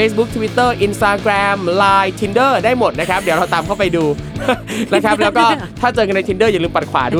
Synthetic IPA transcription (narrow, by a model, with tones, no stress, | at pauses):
feː˦˥s̬bu˦˥k̚t̪ʰwi˦˥t̪ːɤː˥˩ʔi˧nst̪aː˧kɾɛː˧mlaː˧jt̪ʰi˧ndɤː˥˩daː˥˩jmo˨˩t̪̚na˦˥kʰa˦˥p̚di˨˩˦wɾa˧wt̪aː˨˧mkʰa˥˩wpa˧jduː˧ | na˦˥kʰa˦˥p̚lːwkɔː˥˩ | t̪ʰaː˥˩t͡ɕɤː˧ka˧na˧jt̪i˧ndəː˥˩ja˨˩lɯː˧mpa˨˩t̪̚kʰwa̰ː˩˦du˥˩